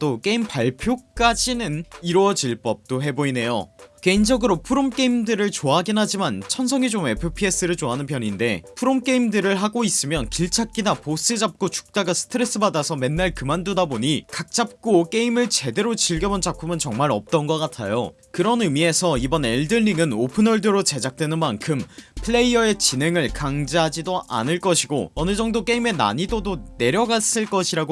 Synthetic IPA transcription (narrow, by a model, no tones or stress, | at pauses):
t͈ok͈e̞impaɭpʰjok͈ad͡ʑinɯniɾwʌd͡ʑiɭp͈ʌp̚t͈oɦe̞boine̞jo̰ke̞ind͡ʑʌɡɯɾopʰuɾomk͈e̞imdɯɾɯɭt͡ɕoaɡinɦad͡ʑimant͡ɕʰʌnsʰʌŋid͡ʑome̞pʰɯpʰie̞s͈ɯɾɯɭt͡ɕoɦanɯnpʰjʌɲinde̞pʰuɾomk͈e̞imdɯɾɯɭɦaɡois͈ɯmjʌnkiɭt͡ɕʰak̚k͈inapos͈ɯd͡ʑap̚k͈ot͡ɕu̥k̚t͈aɡasʰɯ̥tʰɯɾe̞s͈ɯbadasʰʌme̞nːaɭkɯmandudaboɲikak̚t͡ɕ͈ap̚k͈ok͈e̞imɯɭt͡ɕe̞de̞ɾot͡ɕiɭɡjʌmont͡ɕapʰumɯnt͡ɕʌŋmaɾʌ̰p̚t͈ʌnɡʌk͈atʰajo̰ | kɯɾʌnɯmie̞sʰʌibʌneɭdɯʎːiŋɯnopʰɯnʌɭdɯɾot͡ɕe̞d͡ʑak̚t͈we̞nɯnmankʰɯmpʰɯɭe̞iʌe̞t͡ɕine̞ŋɯɭkaŋd͡ʑiɦad͡ʑidoʔa̰nɯɭk͈ʌɕʰiɡoʌnɯd͡ʑʌŋdok͈e̞ime̞na̰ɲidodone̞ɾjʌɡas͈ɯɭk͈ʌɕʰiɾaɡ